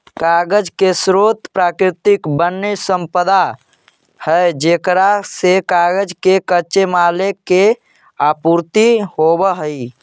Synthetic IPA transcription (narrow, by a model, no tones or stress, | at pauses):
kaɡəd͡ʒkesɾot̪pɾakɾit̪ikbənːesəmpəd̪a | həed͡ʒekɾasekaɡəd͡ʒkekət͡ʃemaleke | apuɾt̪ihobəɦəi